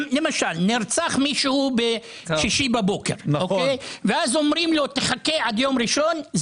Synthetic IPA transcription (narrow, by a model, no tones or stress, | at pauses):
lemaʃalniʁt͡saχmiʃehube | ʃiʃibabo̞keʁnoejveazo̞mɾimlo̞t̪eχakeʕad̪jomɾiʃo̞nz